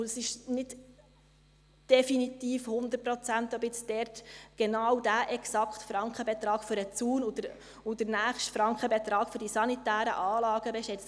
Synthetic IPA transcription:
ʊəsɪʃnɪd | d̥ɛfinitiːfhʊnd̪əpɾɔt͡sænt̪ɔbɪt͡sdɛɾtɡ̥enɑwdæʔɛksɑkχtfɾɑŋkχəbɛt̪ɾɑːɡ̥fʏɾət͡suːnʊd̥əɾ | ʊd̥̪ənæːχʃtfɾɑŋkχəbɛt̪ɾɑːɡ̥fʏɾdisɑnitæːɾə̰ʔɑːlɑːɡ̥əbɛʃɛt͡st

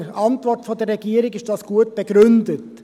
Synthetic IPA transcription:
ʔɑntvɔrtfɔdəɾːɛɡiəɾɪɡɪʃd̥ɑsɡ̥uət̚b̥eɡɾʏndət

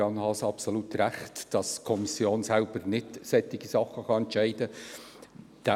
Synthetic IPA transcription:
ɑnhɑsɑpsolutɾæχtd̥ɑskʰɔmisjoːnsælb̥əɾnɪtsɛtɪɡ̥isɑχəχɑɛntʃɛɪd̥ə | d̪̥æ

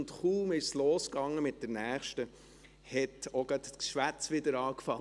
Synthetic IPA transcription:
ntχuːmɪʃsloːskɑŋːəmɪt̚d̥əɾnæːχʃtə | hɛtoɡ̥ɑt̪ʃʋæt͡sʋɪd̪əɾɑːkfɑ

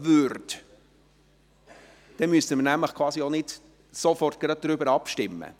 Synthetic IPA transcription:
vʏɾt | d̥ɛnmysəməɾnæmləχkʰwɑːsionɪd | sofɔrt̚ɡ̥ɾɑd̚dɾybəɾɑpʃtɪmːə̰

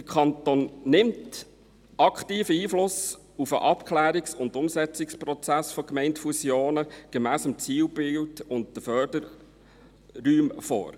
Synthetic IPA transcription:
d̥əkʰχɑnt̪oːnːɪmt | ɑkχtiːfəiːflʊs | ufəʔɑpkʰlæːɾiksʊndʊmsɛt͡sɪkspɾɔt͡sæsfɔkmɛɪntfusjoːnəɡ̥ɛmæːsəmt͡siːwbɪltʊnt̚d̥əfœːɾdəɾ | yːmfo̰ːɾ

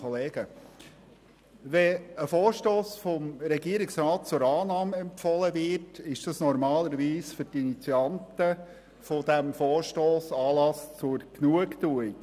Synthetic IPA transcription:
ɔleːɡ̥ə | ʋɛəfɔːɾʃtoːsfɔmɾɛɡiəɾɪksɾɑːt̚t͡sʊɾɑːnɑːmɛmpfɔləvɪtɪʃd̥ɑsnɔɾmɑːləɾʋiːsfʏɾtinit͡siɑntə | fod̥̪æmfoːɾʃtoːsɑːlɑst͡sʊɾknuəkt̪uj

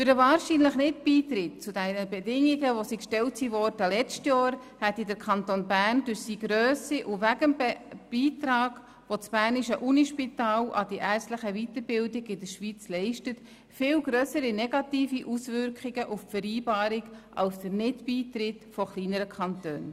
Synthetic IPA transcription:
fʏɾdəvɑːɾʃinləχnɪtb̥iːtɾɪt̚t͡sudɛnəbɛdɪŋiɡəʋosikʃtɛltsivɔrdəlɛt͡stjɑːɾ | hɛtidəɾkʰɑntonbæːɾndøɾsiːɡ̥ɾøːsiʔʊvæɡəmbɛb̥iːtɾɑːɡ̥ | ʋot͡sb̥æːrniʃəʔuniʃpitɑːlʔɑ̰d̥iʔæːrstləχəvitəɾbɪldɪɡɪdəʃʋiːt͡slɛɪʃtət | fɪlwɡɾœsəɾinɛɡɑtiːfiʔusvʏɾkχɪɡəʔuffəɾiːbɑːɾɪɡʔɑ̰lsd̥əɾnɪtb̥iːtɾɪtfɔχliːnəɾəkʰɑntø̰ːn

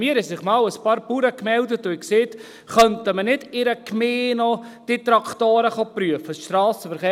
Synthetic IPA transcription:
miːɾhɛsɪχmɑːwəspɑːɾpuːɾəkmɛldət̪ːʊɪkseːt | χœnt̪əmənɪdɪɾəkmeːnɔd̥ɪt̪ɾɑkʰtoːɾəχopɾyəfəsʃtɾɑːsəfəɾχeː

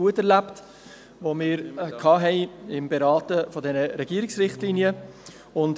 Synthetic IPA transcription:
uətɛɾlæpt | vomɪːɾkʰɑːɦɛɪɪmbeɾɑːtəfɔdɛnəɾɛɡ̥iəɾɪksɾɪχtlinjə | ʊnd

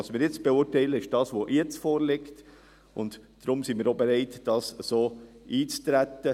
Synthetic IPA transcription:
ɑsmɪːɾjɪt͡sb̥eʊɾtɛɪləɪʃd̥ɑːsʋoʔjɛt͡sfoːɾlɪkt | ʔʊndd̥ɾʊmsimiːɾobɛɾɛɪtd̥ɑːsəsoːʔiːt͡st̪ɾætːə

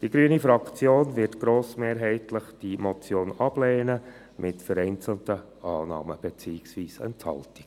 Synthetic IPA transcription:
d̥iɡɾyːnifɾɑkt͡sjoːnvɪɾtɡ̥ɾoːsmeːɾɦɛɪtləχd̥imɔt͡sjoːnɑb̥leːnə | mʔɪtfəɾɛɪnt͡sl̩tə | ʔɑːnɑ̰ːməb̥ɛt͡siːɪksʋiːsɛ̰nthɑ̰lti̥k

